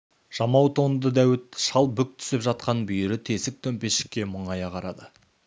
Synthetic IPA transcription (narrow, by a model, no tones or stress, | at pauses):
ʒ̥ɑmɑwt̪ʰo̞nd̪əd̪æwɪt̪ʃɑlˠbʏk̚t̪ʰʏ̥sɪpʒɑt̪qɑnbʏjɪɾɪt̪ʰe̞sɪk̚t̪ʰɵmpe̞sʃɪ̥kʲːe̞mʊɴɑjɑqʰɑɾɑd̪ə